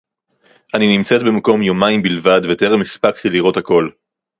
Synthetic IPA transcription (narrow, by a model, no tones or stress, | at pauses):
ʔaninimt͡se̞t̪̚bemako̞mjomaimbilvad̪vet̪eʁmispakt̪iliʁo̞t̪ako̞l